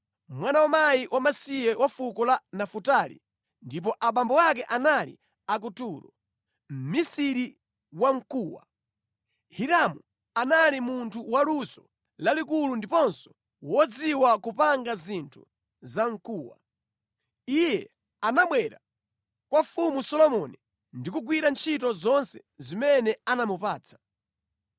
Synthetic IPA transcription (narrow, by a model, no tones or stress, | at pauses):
mwanawamaiwamasijɛwafukɔlanafutalḭ | ndip̬ɔʔaɓambɔwak̬ɛʔanalḭ | ak̬utuɾɔ̰ | m̩misiɾi | waŋ̩kuːwa̰ | hiɾamu | analimuntʰuwalusɔ | lalikulundipɔnsɔ̥ | wɔd͡ziwakupaŋɡazintʰu | zaŋkuːwa̰ | ijɛ | anaɓwɛɾa | kwafumusɔlɔmɔni | ndikuɡwiɾant͡ʃʰitɔzɔnsɛ | zimɛnɛanamupaːt͡sʰḁ